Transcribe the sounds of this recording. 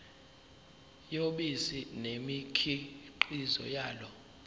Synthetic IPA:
joɓisinemikʰiǃizɔ̰jaːlɔ

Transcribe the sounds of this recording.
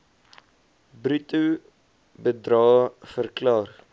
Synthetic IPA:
bɾytu | bədɾɑːfərklɑːr

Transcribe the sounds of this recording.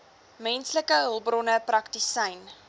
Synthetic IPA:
mɛnsləkəəlˠbrɔnəprɐktisəjn

